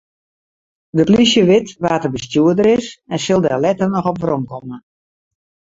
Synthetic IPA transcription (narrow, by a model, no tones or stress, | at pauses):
dəplisjəʋɪtʋaːtəbəstjuədəɾɪsɛnsɪlˠdɛlɛtərnɔxɔpʋromkɔmə